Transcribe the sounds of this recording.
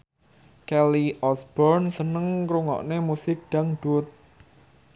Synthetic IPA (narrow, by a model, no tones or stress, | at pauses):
kɛliʔɔsb̥ɔrnsənəŋkɾuŋɔ̰ʔnemusɪk̚ɖ̪̥aŋɖ̥ʊt̪̚